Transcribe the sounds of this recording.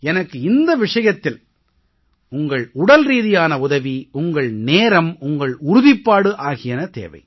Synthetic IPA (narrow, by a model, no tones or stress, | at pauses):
ɛnɐkːɯɪnd̪ɐʋɪʂɐjɐt̪ːɪl | ʊŋɡɐɭʊɽɐlɾiːðɪjaːnɐʊðɐʋiʊŋɡɐɭneːɾɐmʊŋɡɐɭʊɾʊðɪpːaːɽɯʔaːɣɪjɐnɐt̪ḛːʋɐ̰ɪ